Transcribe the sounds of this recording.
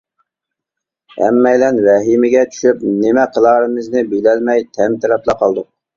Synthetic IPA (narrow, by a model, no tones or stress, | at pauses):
hɛ̰mːɛjlɛnvɛɦimɪɡʲɛt͡ʃʰy̥ʃyp̚nɪmɛqʰəlˠɑːɾɨmɨznɪbelɛlmɛjt̪ʰɛmt̪ʰɪɾɑplˠɑqʰɑlˠd̪u